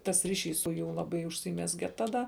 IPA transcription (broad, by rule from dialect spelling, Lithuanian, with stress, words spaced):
tɐs ˈrʲɪˌʃʲiːs sʊ ˈjuː ˈlˠɑːˌbɐɪ ʊʃʲsʲiːˈmʲæːzʲɡʲɛ ˈtɑːˈdɐ